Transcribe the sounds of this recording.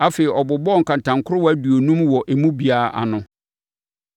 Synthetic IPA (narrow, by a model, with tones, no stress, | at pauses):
a˦fe˨i˨ʔɔ˨bʊ˨bɔ˦ŋ̩˨kã˨n˨tʰã˨ŋ˨kʰʊ˦ɾʊ˦wæ˦du˨o˨nũ˦mwɔ˨ʔe˨mũ˦bi˨a˨ʔa̰˨nʊ̃˨